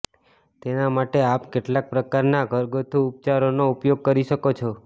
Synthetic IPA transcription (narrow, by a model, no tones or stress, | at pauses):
t̪enamaʈeapkeʈlak̚pɾəkaɾnaɡʱəɾɡot̪ʰuːp̚t͡ʃaɾonoupjoɡ̚kəɾiʃəkot͡ʃʰo